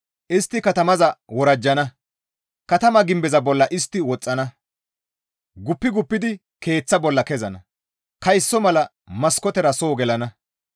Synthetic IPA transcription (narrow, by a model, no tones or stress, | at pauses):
ʔɪst̪ːɪkɐt̪ɐmɐzɐwɔɾɐd͡ʒːɐnɐ | kɐt̪ɐmɐɡɪmbɛzɐbɔlːɐʔɪst̪ːɪwɔt͡sʼːɐnɐ | ɡʊpːɪɡʊpːɪd̪ɪ | ke̞ːt͡sːɐbɔlːɐkɛzɐnɐ | kɐjsːɔmɐlɐ | mɐskɔt̪ɛɾɐso̞ːɡɛlɐnɐ